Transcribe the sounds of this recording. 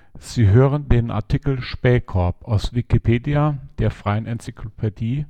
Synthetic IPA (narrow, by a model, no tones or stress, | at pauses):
z̥iːɦøːʁ̞əndeːnʔa̰ɐtʰikl̩ʃpɛːkʰɔɐpʔaʊsv̥ikipʰeːdiad̥eːɐfʁ̥aɪənʔɛnt͡sikʰlopʰediː